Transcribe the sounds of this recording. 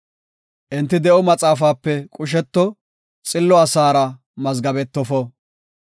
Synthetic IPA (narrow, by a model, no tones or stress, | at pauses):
ʔɪnt̪ːɪd̪ɛʔɔmɐt͡sʼaːfaːpːɛkʼʊʃ̬ɛt̪ːɔ | t͡sʼɪlːɔɐsaːɾɐ | mɐzɡɐbɛt̪ːɔfɔ